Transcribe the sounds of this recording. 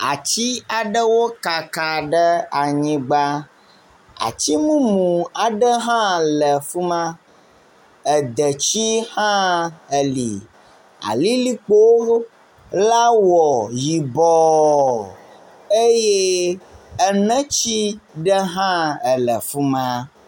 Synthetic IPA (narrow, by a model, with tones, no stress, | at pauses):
a̰˨t͡ɕi˦a˨ɖə˦wo˦ka˨ka˨ɖə˦a˨ɲĩ˦ɡ͡ba˦ | a̰˨t͡ɕi˦mũ˦mũ˨a˨ɖə˦ɦã˦lə˨fu˦mã˦ | ə˨d̪ə˨t͡ɕi˦hã˦ə˨lḭ˨ | a̰˨li˦li˦k͡po˦ | la˦wɔ˨ji˨bɔ˨ | e˦je˦ | ə˨nə̃˦t͡ɕi˦ɖə˦ɦã˦ə˨lə̰˨fu˦mã˦